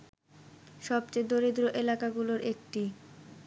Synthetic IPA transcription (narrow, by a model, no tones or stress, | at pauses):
ʃɔb̚t͡ɕed̪oɾid̪ɾoʔelakaɡuloɾek̚ʈi